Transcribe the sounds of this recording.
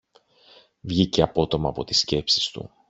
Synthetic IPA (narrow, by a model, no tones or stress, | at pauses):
vʝiceɐpo̞t̪o̞mɐːpo̞t̪i̥sce̞psist̪ṵ